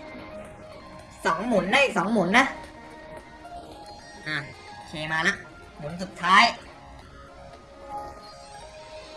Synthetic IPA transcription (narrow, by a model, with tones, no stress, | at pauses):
sɔː˩˦ŋmu˨˩˦nːa˦˥˩jsɔː˩˦ŋmu˨˩˦nːa˦˥ʔ | ʔaː˧˩ | kʰeː˧maː˧na˦˥ʔ | mu˩˦nsu˨˩t̪ʰːaː˦˥j